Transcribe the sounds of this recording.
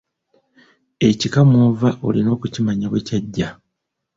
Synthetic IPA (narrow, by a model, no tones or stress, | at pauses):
e̞cikamoːvaʔo̞̰lino̞ːkucimaɲaβwecaɟːa